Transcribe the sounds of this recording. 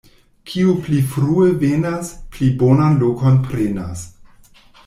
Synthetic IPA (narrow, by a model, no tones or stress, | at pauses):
kʰiuplifɾuevenasplibo̞nanloko̞npɾena̰s